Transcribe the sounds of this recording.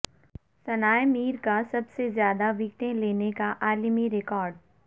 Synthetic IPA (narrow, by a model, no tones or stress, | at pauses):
sɐnaːjmiːɾkasɐbsezjaːd̪aʋɪk̚t̪ẽleːnekaʔaːlimiɾɪkɔːɾɖ